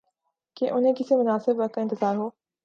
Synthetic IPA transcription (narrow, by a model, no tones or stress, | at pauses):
keʔʊnẽkɪsemʊnaːsɪbɐkɪ̃nt̪ɪzaːɾɦoː